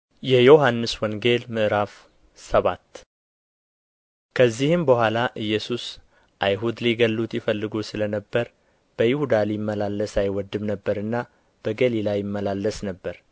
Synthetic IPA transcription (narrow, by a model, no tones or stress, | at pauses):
jɛjo̞hanːɨswɔŋɡe̞lmɨʔɾaf | səβat̪ː | kʰəzːihɨmbəhʷalaʔɨjːɛsus | ʔajɦud̪liɡəlːut̪jɪfəlːɨɡusɨlənəbːəɾ | b̥əjɪhud̪alimːəlalːəsajwɔd̪ːɨmnəbːəɾɨnːa | b̥əɡəlilajɪmːəlalːəsnəbːəɾ